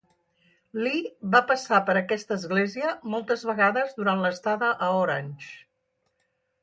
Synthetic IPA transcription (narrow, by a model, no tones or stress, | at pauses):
liβapəsapəɾəkɛst̪əːzɣleziəmɔlˠt̪əzβəɣaðəzðuɾanləst̪aðəʔəoɾanʲt͡ʃ